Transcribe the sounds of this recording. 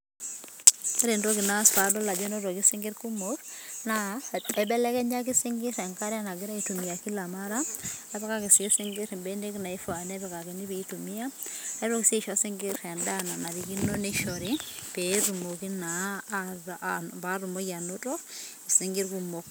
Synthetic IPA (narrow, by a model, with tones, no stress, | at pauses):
a˦ɾe˨nto˦kina˦sa˨dɔ˦la˨d͡ʒɔ˦no˦tɔ˨ki˦si˦ŋɡɪ˦ɾku˦mokna˦ɛ˨bɛ˦lɛ˦kɛ˦ɲa˦k̬i˦si˦ŋɡɪ˦ɾɛ˨ŋka˦ɾi˦a˦na˨ɡɪ˦ɾa˦i˦tu˨mi˨ja˨ki˦la˨ma˦ɾa˦a˨pɛ˦ka˦ki˨si˦i˦si˦ŋɡɪ˦ɾi˨mbende˦kna˨i˦fa˨nɛ˦pɛ˨ka˨kɛ˨ni˦bii˦tu˨mi˦ja˦a˦ɾɔ˦ki˨si˦˨ʃɔ˦si˦ŋɡɪ˦ɾɛ˨nda˦na˨na˨ɾi˨ki˦nɔ˦ne˦ʃɔ˨ɾi˦peɾu˨mo˨ki˦na˨ | ba˦ɾu˨mo˦ɡa˨no˦tɔ˦i˨si˦ŋɡi˦ɾku˦mo˨k̚